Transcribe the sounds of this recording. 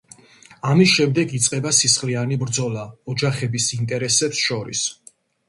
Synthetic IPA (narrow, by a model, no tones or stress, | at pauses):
amisʃɛmd̪ɛɡit̪sʼqʼɛbasisχlianibɾd̪zɔlaɔd͡ʒaχɛbisint̪ʼɛɾɛsɛpsʃɔɾḭs